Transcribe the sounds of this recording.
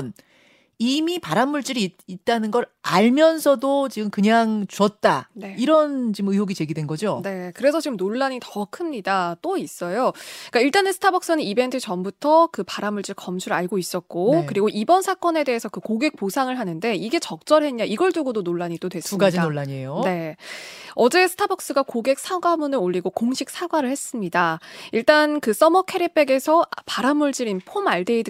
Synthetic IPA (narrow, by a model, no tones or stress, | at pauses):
n | imipaɾanmuɭt͡ɕ͈iɾiit̚t͈anɯnɡʌɾaɭmjʌnsʰʌdot͡ɕiɡɯmkɯɲaŋt͡ɕuʌt̚t͈aneiɾʌnt͡ɕimɯjoɡit͡ɕe̞ɡidwenɡʌd͡ʑone̞kɯɾe̞sʰʌt͡ɕiɡɯmnoɭːaɲitʌkʰɯmɲidat͈ois͈ʌjok͈aiɭt͈anɯnsʰɯ̥tʰabʌk̚s͈ɯnɯnibe̞ntʰɯt͡ɕʌmbutʰʌkɯpaɾamːuɭt͡ɕ͈ɯɭkʌmt͡ɕʰuɾaɭɡois͈ʌt̚k͈okɯɾiɡoʔibʌnsʰak͈ʌne̞de̞ɦesʰʌkɯkoɡe̞k̚posʰaŋɯɭɦanɯnde̞iɡe̞t͡ɕʌk̚t͡ɕ͈ʌɾɦe̞ɲɲaʔiɡʌɭt͡ɕ͈uɡodonoɭːaɲit͈odwe̞sɯumɡad͡ʑinoɭːaɲiejone̞ | ʌd͡ʑe̞sʰɯ̥tʰabʌk̚s͈ɯɡakoɡe̞k̚s͈ʰaɡwamunɯɾoʎːiɡokoŋɕʰik̚s͈ʰaɡwaɾɯɭhe̞s͈ɯmɲidaiɭt͈ankɯs͈ʌmʌkʰe̞ɾep͈e̞ɡe̞sʰʌpaɾamuɭt͡ɕiɾinpʰomaɭdeid